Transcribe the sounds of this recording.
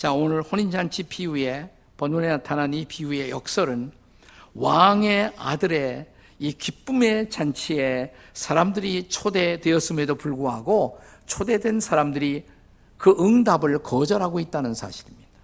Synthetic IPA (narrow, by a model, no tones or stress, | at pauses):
t͡ɕaonɯɭhonind͡ʑant͡ɕʰipʰiue̞ | pʌnmuɾenatʰananipiue̞jʌk̚s͈ʌɾɯn | waŋe̞adɯɾe̞ | ikip͈ume̞t͡ɕant͡ɕʰie̞sʰaɾamdɯɾit͡ɕʰode̞dwe̞ʌs͈ɯmedopuɭɡoɦaɡot͡ɕʰode̞dwe̞nsʰaɾamdɯɾi | kɯʔɯŋdabɯɭkʌd͡ʑʌɾɦaɡoit̚t͈anɯnsʰa̰ɕʰiɾimɲid̥a